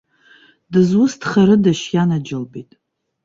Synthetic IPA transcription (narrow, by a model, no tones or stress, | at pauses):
dɨzwʊstʰχaɾɨdaʃjanad͡ʒɪlbitʼ